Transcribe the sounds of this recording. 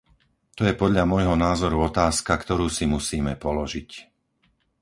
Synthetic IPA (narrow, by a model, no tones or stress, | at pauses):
t̪ɔjɛpɔd̪ʎamʊɔjɦɔnaːzɔɾuɔt̪aːskakt̪ɔɾuːsimusiːmɛpɔlɔʒic